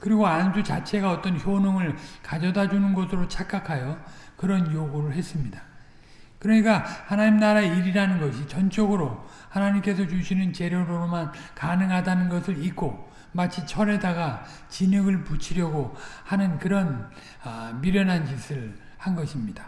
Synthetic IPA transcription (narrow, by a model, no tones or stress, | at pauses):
kɯɾiɡoand͡ʑut͡ɕat͡ɕʰe̞ɡaʌt͈ʌnçjonoŋɯɭkad͡ʑʌdad͡ʑunɯnɡʌsʰɯɾot͡ɕʰak͈akʰajʌkɯɾʌnjoɡuɾɯɭɦe̞s͈ɯmɲida | kɯɾʌɲik͈ahanaɲimnaɾaeiɾiɾanɯnɡʌɕʰit͡ɕʌnt͡ɕ͈ʌɡɯɾo | hanaɲimk͈e̞sʰʌt͡ɕuɕʰinɯnt͡ɕe̞ɾjʌɾoɾomankanɯŋɦadanɯnɡʌsʰɯɾik͈o | mat͡ɕʰit͡ɕʰʌɾe̞daɡa | t͡ɕiɲʌɡɯɭput͡ɕʰiɾjʌɡohanɯnkɯɾʌn | miɾjʌnɦand͡ʑisʰɯɭ | hanɡʌɕʰimɲidḁ